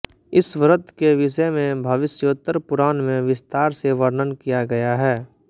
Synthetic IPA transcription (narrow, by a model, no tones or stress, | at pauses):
ɪsʋəɾət̪keʋɪʃəmẽbʱəʋɪsjoːt̪əɾpʊɾaːnmẽʋɪst̪aːɾseʋəɾnənkijaɡɐjaɦɛː